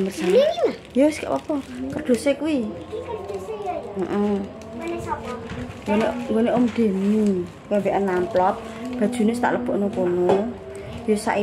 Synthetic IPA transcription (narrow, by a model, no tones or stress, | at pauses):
məsa | jowɪskḛʔwɔ̰pɔkərɖ̪̥o̤sekuwi | m̩ʔm̩ | ŋɡoneŋɡoneomɖ̪̥e̤mi | kɛmbeʔanːamplɔp̚ | b̥a̤d̥ʒ̥ṳnest̪a̰ʔləb̥o̤ʔnokono | josa̰ʔi